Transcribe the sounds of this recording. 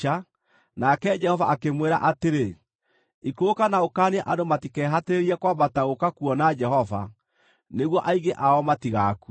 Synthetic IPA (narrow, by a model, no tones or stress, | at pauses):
a | nakɛd͡ʒɛhɔvaakemweɾa̰ʔateɾe | ikoːkanaokaːneʔadomatikɛːɦateɾeɾiɛkwabataɣokakuɔnad͡ʒɛhɔva̰ | neɣwɔʔaiɣeʔaɔmatiɣaku